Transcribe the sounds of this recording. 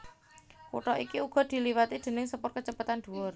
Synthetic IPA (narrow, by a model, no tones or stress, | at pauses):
kṵʈɔʔikiuɡ̥ɔ̤d̪̥i̤liwat̪id̪̥e̤nɪŋsəpʊrkət͡ʃəpat̪and̪̥uwʊr